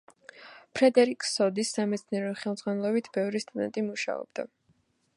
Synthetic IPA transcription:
pʰɾɛd̪ɛɾikʼsɔd̪isːamɛt̪sʰniɛɾɔχɛlˠd̪zʁwanɛlˠɔbit̪ʰb̥ɛvɾist̪ʼud̪ɛ̰nt̪ʼimuʃa̰ɔ̰b̥d̪̥a̰

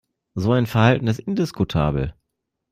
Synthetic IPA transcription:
zoːaɪnfɛɐhaltn̩ɪsʔɪndɪskutʰa̰ːbl̩

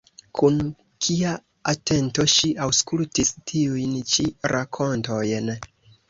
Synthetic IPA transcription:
kʰun | kʰia | ate̞nto̞ʃiʔawskultistʰiujnt͡ʃiɾʔakʰo̞nto̞jn

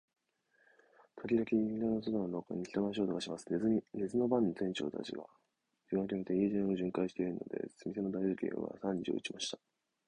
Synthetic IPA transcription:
t̪ʰoɾʲiɾakʲiɲĩiɡano̞s̬od̪onoɾoko̰ɲ̟ːiçʲi̥t̪omɕ̬io̞ːt̪oɡaɕimasɨ̥ɾe̞zɨno̞bãɲːitẽ̞ɲt͡ɕo̞̰ːt̪a̰ʑḭɡa̰ | iɡakʲimet̪eiːʑẽoʑɨ̃ŋkaiɕi̥t̪e̞iɾɯ̟no̞̰d̪e̞̰sɨmʲise̞no̞d̪aizɨkʲḛ̃βa̰sãɲ̟d͡ʑḭo̰ɯt͡ɕimaɕi̥t̪ḁ

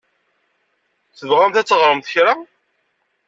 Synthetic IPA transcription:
θəvʁamθæt͡sːəʁɾˤəmθçɾa

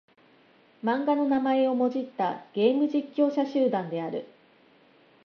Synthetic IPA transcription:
mãŋɡano̞namae̞o̞mo̞ʑit̪ːaɡ̥e̞ːmɯ̟ʑikʲːo̞ːɕaɕɨːd̪ãnd̪e̞aɾɯ̟̰

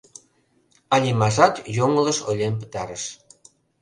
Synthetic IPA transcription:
ɑlʲimɑʒɑt̪joŋələ̆ʃolʲempə̥t̪ɑɾəʃ

